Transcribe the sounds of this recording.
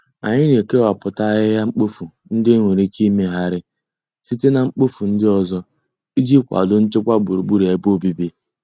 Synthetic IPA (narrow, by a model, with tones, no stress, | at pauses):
a̰˨ɲɪ˦n˨e˨ke˦wa˨pʊ˨ta˦ɣɪ˦ja˦ŋ͡m̩˦k͡po˦fu˨ | n̩˦dɪ˦ŋʷe˨ɾi˦ki˦me˦ɦa˦ɾɪ˦ | si˦te˦na˨ŋ͡m̩˦k͡po˦fu˨n̩˦dɪ˦ɔ˦zɔ˦ | i˦d͡ʒi˦kʷa̰˨dʊ˦n̩˦t͡ʃɪ˦kʷa˦ɡ͡bu˨ɾu˨ɡ͡bu˦ɾi˨a˨ɪ˦po˦bi˦bi˦